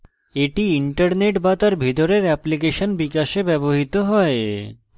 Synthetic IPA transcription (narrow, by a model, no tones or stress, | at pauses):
eʈiiɳʈaɾneʈbat̪aɾbʱit̪oɾeɾɛplik̬eʃonbikaʃebɛboɦit̪oɦɔe